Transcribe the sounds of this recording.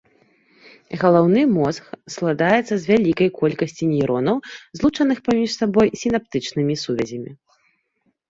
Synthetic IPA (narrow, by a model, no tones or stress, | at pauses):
ɣɐlˠawn̪ɨmɔsxsklˠad̪ajɛt̪sːɐzʲvʲalʲikɐjkɔlʲkɐsʲt͡sʲinʲiɾɔnɐwzlˠut͡ʂɐnɨxpamʲiʂsabɔjsʲin̪ap̚t̪ɨt͡ʂnɨmʲisuvʲɛzʲɐmʲḭ